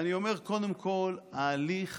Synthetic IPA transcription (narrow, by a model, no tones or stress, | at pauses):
nio̞me̞ʁko̞d̪emkʰo̞laliχ